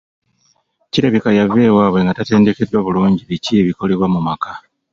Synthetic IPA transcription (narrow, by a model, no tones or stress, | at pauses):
ciɾaβikajave̞ːwaːβwe̞ŋɡatate̞ːnde̞ke̞dːwaβuluːɲɟiβicieβiko̞le̞βwamumaka